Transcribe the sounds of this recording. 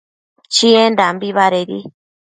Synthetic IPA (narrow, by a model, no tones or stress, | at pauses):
t͡ʃiẽndambiβaɾeɾḭ